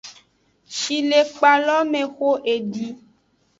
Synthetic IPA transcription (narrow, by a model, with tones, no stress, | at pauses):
ʃi˨le˨k͡pa˨lɔ˦mẽ˨xo˦ʔe˨ɖi˦